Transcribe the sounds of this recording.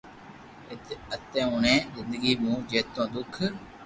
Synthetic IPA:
ət̪ẽːʊːɳẽːzɪnd̪əɡiːmũːd͡ʒeːt̪ːõːd̪ʊkʰ

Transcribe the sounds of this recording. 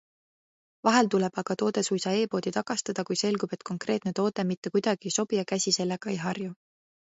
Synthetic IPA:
vɑɦe̞lt̪ule̞b̥ɑɡ̥ɑt̪o̞ːd̪̥e̞sujsɑe̞ːpo̞ːd̪it̪ɑkˑɑst̪ɑd̪̥ɑkujse̞lɡ̥ub̥e̞t̪̚ˑko̞ŋkre̞ːt̪ˑne̞t̪o̞ːd̪̥e̞mit̪ːe̞kujd̪̥ɑɡ̥iso̞b̥ijɑkæsʲise̞lːe̞ɡ̥ɑejɦɑrju

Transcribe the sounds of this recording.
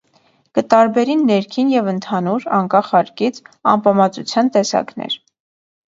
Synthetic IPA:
kət̪ɑɾbɛɾinːɛɾkʰinjɛvənt̪ʰɑnuɾɑŋkɑχɑɾkit͡sʰɑ̰mpɑmɑt͡sut͡sʰjɑnt̪ɛsɑ̰knɛ̰ɾ

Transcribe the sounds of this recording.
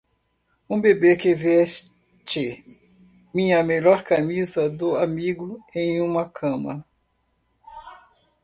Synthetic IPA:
ũbebekevɛs | t͡ʃɪ | mĩɲɐmeʎɔɾkamizɐd̪ʊamiɡʊẽj̃ũmɐkʰɐ̃mɐ̰

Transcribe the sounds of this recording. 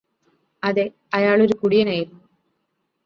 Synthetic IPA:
ɐðe | ɐjaːɭo̞ɾukuɽijɐnaːjiɾnu

